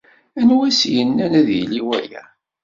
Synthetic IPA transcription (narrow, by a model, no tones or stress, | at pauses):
ænwæsjənːænæðjəliwæjæ̰